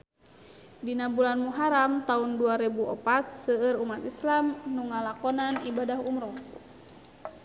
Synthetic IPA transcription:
dinabulanmuɦaɾamt̪aunduaɾɛbuʔɔpat̪̚səərumat̪islamnuŋalakɔnanibadahumɾɔ

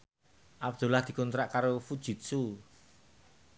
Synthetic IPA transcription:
ʔab̚d̪̥ṳlahd̪̥i̤kunt̪ɾaʔkaɾofud̥ʒ̥i̤t̪̚su

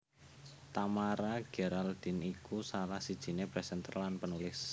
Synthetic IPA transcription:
t̪amaɾaɡ̥ɛ̤ɾald̪̥i̤nikusalahsid̥ʒ̥i̤nebɾɛsənt̪ə̰rlanpənulɪs

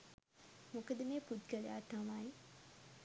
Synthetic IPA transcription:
mokəd̪əmeːpud̪̚ɡəlḛja̰ːt̪amaːi

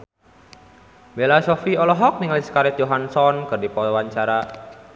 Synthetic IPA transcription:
belasɔfiɔlɔɦɔk̚niŋliskaɾɛt̪̚joɦansɔnkɨrdipɔɔwaɲt͡ʃaɾa

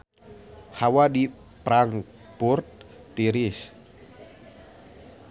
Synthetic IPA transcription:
hawadi | pɾaŋ | purt̪̚ː | iɾis

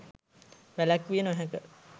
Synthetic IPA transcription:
ʋælækʋijenəʋæɦækə

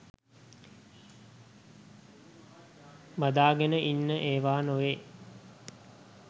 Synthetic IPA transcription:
mad̪aːɡenəʔinːəʔeːʋaːnoʋeː

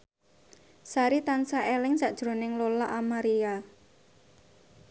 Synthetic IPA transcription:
saɾit̪ansaʔelɪŋsaʔd̥ʒ̥ɾo̤nɪŋlolaʔamaɾia

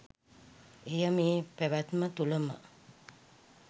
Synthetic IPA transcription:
ejəmeːpeʋæt̪mət̪uləmə̰

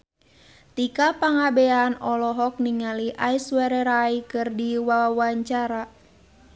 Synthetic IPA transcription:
t̪ikapaŋabɛanɔlɔɦɔk̚niŋaliʔaiswɛɾɛɾaikɨrdiwawaɲt͡ʃaɾa

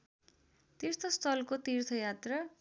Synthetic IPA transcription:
t̪irt̪ʰʌst̪ʰʌlkot̪irt̪ʰʌjat̪rʌ

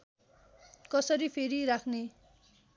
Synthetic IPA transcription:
kʌsʌɾipʰeɾiɾakʰne

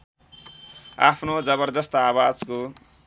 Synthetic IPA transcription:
a̰pʰnod͡zʌbʌrd̪ʌst̪ʌawad͡zko

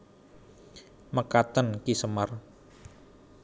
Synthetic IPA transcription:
məkat̪ənkisəmar

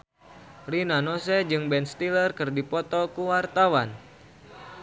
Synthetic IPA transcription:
rinanosɛd͡ʒɨŋbɛnst̪ilərkɨrdipɔt̪ɔkuwart̪awan

